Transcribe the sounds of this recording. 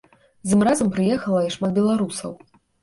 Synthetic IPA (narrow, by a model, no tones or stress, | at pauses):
zɨmrazɐmpɾɨjɛxɐlˠɐiʂmat̪̚bʲɛlˠaɾusɐ̰w